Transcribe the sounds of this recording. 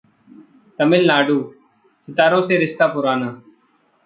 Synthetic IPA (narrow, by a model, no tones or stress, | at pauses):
t̪əmɪlnaːɖuː | sɪt̪aːɾõːseːɾɪst̪aːpʊɾaːnaː